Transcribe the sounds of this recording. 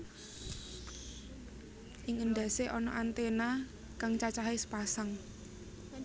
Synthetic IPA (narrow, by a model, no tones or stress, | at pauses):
ʔɪŋənd̪a̤seʔɔnɔ̰ʔant̪ena | kaŋt͡ʃat͡ʃaɦesə̥pasaŋ